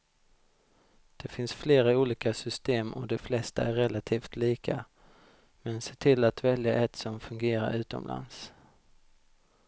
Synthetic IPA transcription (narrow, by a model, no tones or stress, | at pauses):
d̪̥ɛfɪnsfleːɾauːliːkasʏst̪eːmʔɔd̪ɛflɛst̪aæɾːɛlat̪ʰiːft̪ʰliːkʰa̰ | mɛnseːʈʰɪlːat̪vɛljaʔɛt̪sɔmfɵŋɡeːɾa̰ɾʉ̟ːt̪ɔ̰mla̰ns